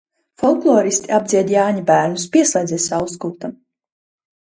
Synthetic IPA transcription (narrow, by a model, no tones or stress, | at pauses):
fɔlˠklˠɔːɾist̪iab̚d̪zʲiɛd̪jaːɲabæːɾnuspʲiɛslʲˠɛjd̪zɛːsawskult̪am